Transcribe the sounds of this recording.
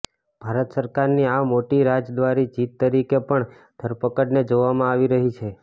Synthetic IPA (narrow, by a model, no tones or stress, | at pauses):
b̥ʱaɾət̪səɾkaɾniamoʈiɾad͡ʒd̪ʋaɾid͡ʒit̪ːəɾikepəɳ | d̪ʱəɾpəkəɽned͡ʒoʋamãaʋiɾəɦit͡ʃʰe